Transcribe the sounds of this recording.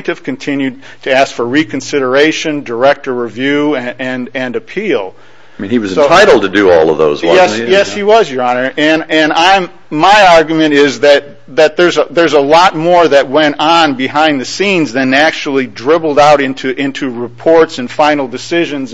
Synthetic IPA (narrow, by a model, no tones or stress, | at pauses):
tɨv̥kʰɨ̃n̩tʰɪ̃njʉd̚ | tʰɨæskfə˞ɹikɨ̃n̩sɪɾə˞eɪʃɨ̃ndə˞ɛk̚tə˞ɹɨvjʉɨɨ̃nɨ̃nɨpʰilˠ | mĩniwʌz̃sotʰaɪɾl̩ˠd̚tʰɨdɨɔ̰lˠʌ̰vðo̰ʊzjɛsjɛshiwʌzjə˞ɑnə˞ɨ̃nɨ̃nãɪm | maɪɑɹɡjmɨ̃ɾ̃ɪzðɨt̪̚ | ðɨt̪̚ðə˞zəðə˞zəlɔt̚mɔɹðɨt̚wɛ̃ntn̩bɨhãɪ̃nðɨsĩnzðɨ̃næk̚t͡ʃul̩ˠidɹɪbl̩ˠdaʊɾɪ̃ntʰʉʔɪ̃ntʰʉɹɨpʰɔɹtsɨ̃nfãɪ̃nl̩ˠdɨsɪʒɨ̃nz